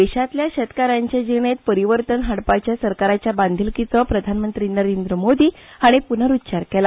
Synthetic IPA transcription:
eɕat̪ljaɕət̪kaɾaɲt͡ɕed͡ʑiʋɳet̪̚pəɾiʋəɾt̪ənɦaɽpajt͡ɕjasəɾkaɾat͡ɕjaband̪ʱilkit͡səpɾəd̪ʱanmənt̪ɾinəɾend̪ɾəmod̪iːaɽ̃ipun̤əɾut̪ːt͡ɕaɾkɛla

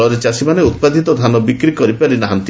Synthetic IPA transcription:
ɔɾet͡ʃasimaneut̪̚pad̪ʱit̪ɔd̪ʱanɔbikɾikɔɾipaɾinaɦant̪

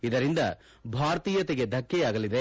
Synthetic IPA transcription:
id̪ɐɾind̪ɐ | bʱaːɾt̪iːjɐt̪eɡe̞d̪ʱɐkːɛjaːɡɐlid̪e̞

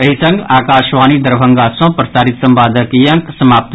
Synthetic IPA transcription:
ɐɦisɐ̃ŋɡaːkaːʃʋaːnid̪ɐɾbʱɐ̃ŋɡaːsõpɾɐsaːɾit̪sɐmbaːd̪ʱɐkijɐ̃ŋksɐmaːp̚t̪

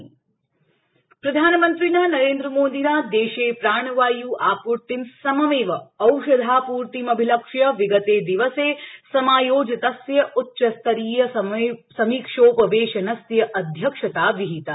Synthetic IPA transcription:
pɾɐd̪ʱaːnɐmɐnt̪ɾinaːnɐɾeːnd̪ɾɐmoːd̪iːnaːd̪eːʃeːpɾaːɳ̃ɐʋaːjuːʔaːpuɾʈ̪insɐmɐʋeːʋɐɐwʃɐd̪ʱaːpuːɾt̪imɐbʱilɐkʂjɐʋiɡɐt̪eːd̪iʋɐseːsɐmaːjoːd͡ʒɐt̪ɐsjɐʔutːʃɐst̪ɐɾiːjɐsɐmiːkʂoːpɐʋeːʃɐnɐsjɐʔɐd̪ʱjɐkʂɐt̪aːʋiɦit̪a

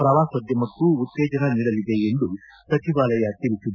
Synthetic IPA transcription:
pɾɐʋaːsʋɐd̪jɐmɐkːuut̪ːɛːd͡ʒɐnɐniːɽɐlid̪eːjenɖ̪u | pɾɐt̪iʋaːlɐjaːt̪ilit͡ʃud̪

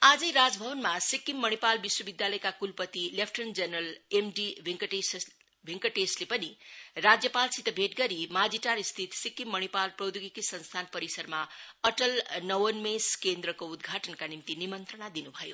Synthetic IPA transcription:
ad͡zʌjɾad͡zbʱʌwʌnmasikːimːʌɽ̃ipalbiswʌbid̪jalʌjkakulpʌt̪ilepʰʈʌnd͡zʌnʌlemɖibʱiŋkʈes | bʱiŋkʌʈeslepʌnirad͡zjʌpalsit̪ʌbʱeʈɡʌɾimad͡ziʈaɾist̪ʰit̪sikːimːʌɽ̃ipalprʌd̪uɡikisʌnst̪ʰanpʌɾisʌrmaʌʈʌlnʌwʌnmeskend̪ɾʌkoud̪ɡʱaʈʌnkanimt̪inimʌnt̪ɾʌnad̪inubʱʌjo̰

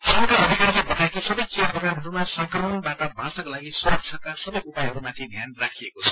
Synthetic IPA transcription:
sʌŋkaʌd̪ʱikarlebʱʌʈaekisʌbʌjt͡seproɡramɦʌɾumasʌŋkrʌmʌnbaʈʌbʱãsakalaɡisuɾʌk̚t͡ʃʰʌkasʌbʌjupajɦʌɾumat̪ʰibʱjanrakʰijekot͡sʰʌ̥

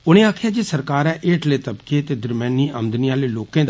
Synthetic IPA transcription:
ʊnẽːaːkʰjaːd͡ʒeːsəɾkaːɾɛ̃ːʔeːʈleːt̪əbkeːt̪eːd̪əɾmɛːniːʔəmd̪niãːleːloːkẽːd̪

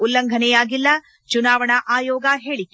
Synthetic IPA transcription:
ulːɐŋɡʱɐnɛjaːɡilːɐ | t͡ʃunaːʋɐɳɐʔaːjɔːɡɐɦeːɭi

